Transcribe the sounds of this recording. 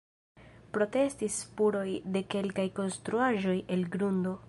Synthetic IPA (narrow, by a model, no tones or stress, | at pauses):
pɾo̞te̞stispuɾo̞jde̞ke̞lkajko̞nstɾuaʒo̞je̞lɡɾundo̞